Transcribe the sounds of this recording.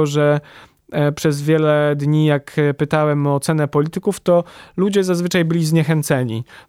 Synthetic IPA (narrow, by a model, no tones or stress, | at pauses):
ɔʐɛ | pʂɛzvʲjɛlɛd̪ɲijakpɘt̪awɛmɔːt̪sɛnɛpɔlʲit̪ɘkuft̪ɔlud͡ʑɛzazvɘt͡ʂajbɘlʲizɲɛxɛnt̪sɛɲi